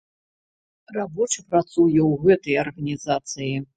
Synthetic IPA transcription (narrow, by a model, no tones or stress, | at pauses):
rabɔt͡ʂɨpɾat̪sujɛwɣɛt̪ɐjɐrɣɐnʲizat̪sɨji